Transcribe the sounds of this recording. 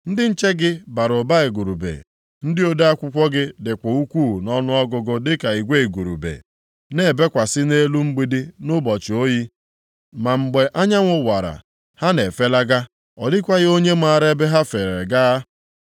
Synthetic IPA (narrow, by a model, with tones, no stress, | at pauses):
n̩˦dɪ˦n̩˦t͡ʃe˦ɡɪ˦ba˨ɾʊ˨ba˦e˨ɡu˨ɾu˨bḛ˨ | n̩˦dɪ˦o˦da˦a˦kʷʊ˦kʷɔ˦ɡɪ˦dɪ˨kʷo˨u˦kʷu˦˨nɔ˦nʊ˦ɔ˦ɡʊ˨ɡʊ˦dɪ˦ka˨i˨ɡʷe˦e˨ɡu˨ɾṵ˨bḛ˨ | ne˨be˦kʷa˨sɪ˦ne˦lu˦ŋ͡m̩˦ɡ͡bi˦dɪ˦nʊ˦bɔ˨t͡ʃɪ˨o˦ji˦ | ma˨ŋ͡m̩˨ɡ͡be˨ʔa˦ɲa˦ŋʷʊ˦wa˨ɾa̰˨ | ha˦ne˨fe˦la˦ɡa˦ | ɔ˨dɪ˦kʷa˦ɣɪ˦o˦ɲe˦m̩˦a˨ɾe˦be˦ɦa˦fe˨ɾe˨ɡa˦